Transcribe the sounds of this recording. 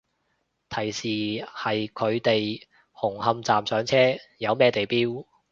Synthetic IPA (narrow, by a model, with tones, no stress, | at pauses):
t̪ʰɐ˨˩jsiː˨˩hɐ˨jkʰɵ˨˧ɥt̪e˨j | hʊ˨˩ŋhɐ˧mt͡saː˨msœː˨˥ŋt͡sʰɛː˥jɐ˨˧wmɛː˥t̪e˨jpiː˥w